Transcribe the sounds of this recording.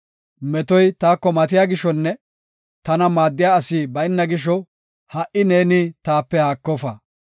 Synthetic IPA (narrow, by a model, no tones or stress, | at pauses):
mɛt̪ɔjt̪aːkːɔmɐt̪ɪjaːɡɪʃɔnːɛ | t̪ɐnɐmaːd̪ːɪjaːɐsiːbɐɪnːɐɡɪʃ̬ɔ | hɐʔɪne̞ːnɪt̪aːpːɛhaːkːɔfɐ